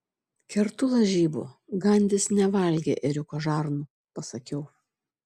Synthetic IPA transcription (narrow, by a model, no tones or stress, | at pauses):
kʲɛɾt̪ʊlˠɐʒʲiːbʊ̰ɡɐnʲd̪ʲɪsnʲɛʋɐˑlʲɡʲḛʔɪɾʲʊkoʒɑːɾnu | pɐsɐkʲɛʊ